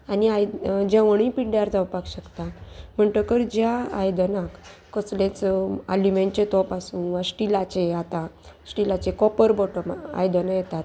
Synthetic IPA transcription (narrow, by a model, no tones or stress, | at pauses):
aniaj̪d͡ʑãʋəɳ̃ĩpiɽjaɾd͡zawpakɕəkt̪am̤əɳʈ̪əkəɾd͡ʑjaa̰jd̪ənãkː | əslet͡salimẽɳt͡ɕet̪ɔpasũːnʋasʈilat͡ɕeat̪asʈilat͡ɕekɔpəɾbɔʈəma̰jd̪ənəjɛt̪at̪